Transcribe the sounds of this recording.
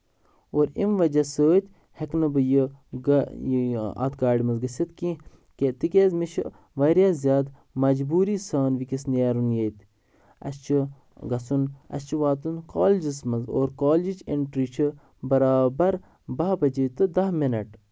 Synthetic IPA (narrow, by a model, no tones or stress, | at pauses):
oːɾimʋɐd͡ʒɐsoːt̪ʲ | hɐknɐbəjəɡjɐ̰t̪ɡaːɽimɐzɡɐsʲɐt̪kĩ | ket̪ikʲezmiʃʰɐ | ʋɐɾjaːzjaːd̪ | mɐd͡ʒbuːɾisaːnʋikisnaːɾunjejt̪ | ɐ̰st͡ʃʰɨ | ɡɐsunɐ̰st͡ʃʰiʋaːt̪unkoːld͡ʒismɐzo̰ːɾkoːld͡ʒit͡ʃeɳʈɾit͡ʃʰə | bɐɾaːbɐɾ | bɐːbɐd͡ʒit̪ɨd̪ɐɦminɐʈ